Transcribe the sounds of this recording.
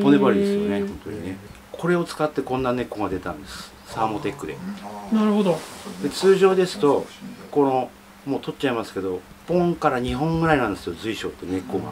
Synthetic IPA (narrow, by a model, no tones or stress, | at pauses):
ponebaɾʲid̪e̞sɨjo̞ne̞hõ̞nt̪o̞̰ɲ̟ine | kʰo̞ɾe̞o̞t͡sɨ̥kat̪ːe̞kõ̞nːane̞kːo̞ɡad̪e̞t̪ã̰nd̪e̞sɨ̥ | saːmo̞t̪e̞kːɯ̟d̪e̞̰naɾɯ̟ɦod̪od̪e̞t͡sɨːʑo̞ːd̪e̞sɨ̥t̪o̞ko̞no̞ | mo̞ːt̪ʰo̞t͡ɕaimasɨ̥ke̞d̪o̞ | põ̞ŋkaɾaɲ̟iɦõ̞ŋɡɯ̟ɾainãnd̪esked̪ozɨiɕo̞̰ːt̪ːene̞kːo̞ɡa̰